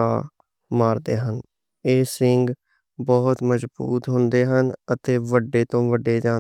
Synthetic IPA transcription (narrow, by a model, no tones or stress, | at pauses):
aː | maːɾd̪eːɦən | eːsɪŋɡ | bɔːt̪məzbṵːt̪ɦʊnd̪eːɦənət̪eːʋəɖːeːt̪õːʋəɖeːd͡ʒaː